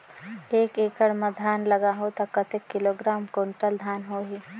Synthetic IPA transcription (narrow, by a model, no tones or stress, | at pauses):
eːkeːkəɽmãd̪ʱaːnlɐɡaɦot̪akɐt̪ekːɪloːɡɾaːmkoɳʈəld̪ʱaːnɦoːɦiː